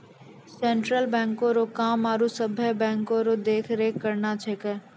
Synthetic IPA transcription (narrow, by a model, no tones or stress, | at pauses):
sẽːɳʈɾəlbɛ̃ːŋkõɾoːkaːmaːɾusəbʱɛbɛ̃ːŋkõɾoːd̪eːkʰɾeːkːəɾnat͡ʃʰeːkɛ